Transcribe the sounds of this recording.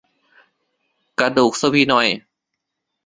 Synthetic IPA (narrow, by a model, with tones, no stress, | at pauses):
ka˧duː˨˩k̚sa˧pʰiː˧˨nɔ˧˩j